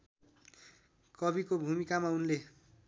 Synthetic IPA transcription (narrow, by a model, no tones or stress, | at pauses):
kʌbikobʱumikamaunle